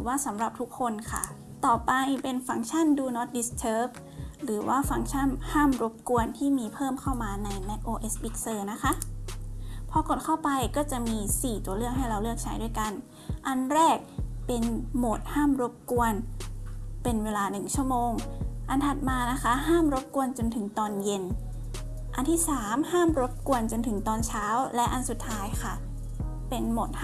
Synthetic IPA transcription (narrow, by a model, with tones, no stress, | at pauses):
ɾɯː˩˦waː˥˩sa˩˦mɾa˨˩p̚t̪ʰu˦˥kʰːo˧nkʰa̰˥˩ | t̪ɔː˨˩pa˧jpe˧nfa˧˩˦ŋt͡ɕʰa˥˩nduː˧nɔ˦˥t̪̚di˧˦˥st͡ɕʰɤː˦˥p̚ | ɾɯː˩˦waː˥˩fa˧˩ŋt͡ɕʰa˥˩nhaː˥˩mɾo˦˥p̚ku˧ənt̪ʰiː˥˩miː˧pʰɤː˥˩mkʰa˥˩wmaː˧na˧jmɛ˦˥k̚ʔoː˧ʔe˦˥spi˦˥k̚sɤː˧na˦˥kʰa˦˥ʔ | pʰɔ˧˥ko˨˩t̪̚kʰa˥˩wpa˧jkɔː˥˩t͡ɕa˨˩ʔmiː˧siː˨˩t̪u˧ɐlɯ˥˩ək̚ɦa˥˩jɾa˧wlɯ˥˩ək̚t͡ɕʰa˦˥jdu˥˩jka˧n | ʔa˧nɾɛː˥˩k̚pe˧nmo˨˩t̪̚haː˥˩mɾo˦˥p̚ku˧ən | pe˧nweː˧laː˧nɯ˨˩ŋt͡ɕʰu˥˩əmoː˧ŋʔa˧nt̪ʰa˨˩t̪̚maː˧na˦˥kʰa˦˥ɦaː˥˩mɾo˦˥p̚ku˧ənt͡ɕo˧nt̪ʰɯ˩˦ŋt̪ɔː˧nje˧n | ʔa˧nt̪ʰiː˥˩saː˩˦mhaː˥˩mɾo˦˥p̚ku˧ənt͡ɕo˧nt̪ʰɯ˩˦ŋt̪ɔː˧nt͡ɕʰaː˦˥wlɛ˦˥ʔa˧nsu˨˩t̪ʰːaː˦˥jkxʰa˥˩ | pe˧nmo˨˩t̪̚